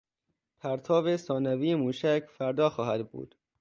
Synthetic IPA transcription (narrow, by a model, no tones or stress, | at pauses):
pʰæɾt̪ʰɒːbesɒːnæviːjemuːʃæcʰfæɾd̪ɒːxɒːhæd̪bṵːd̪̥